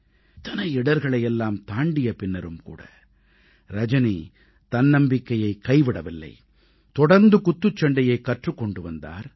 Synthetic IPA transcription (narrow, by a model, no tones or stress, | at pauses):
ɪt̪ːɐnɐɪɪɽɐɾɣɐɭɐjɛlːaːmt̪aːɳɖɪjɐpɪnːɐɾɯmkṵːɽɐ̰ | ɾɐd͡ʒɐni | t̪ɐnːɐmbɪkːɐjɐɪkɐɪʋɪɽɐʋɪlːɐ̰ɪ | t̪ɔɽɐɾnd̪ɯkʊt̪ːɯt͡ʃːɐɳɖɐjɐɪkːɐʈrɯkːɔɳɖɯʋɐnd̪a̰ːɾ